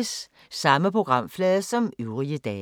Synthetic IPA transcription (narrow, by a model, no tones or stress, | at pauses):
sː | ɑ̈məpʰʁo̝ɡ̥ʁɑ̈m̰flɛːðˠsɒ̽myʊʁiəd̥ɛː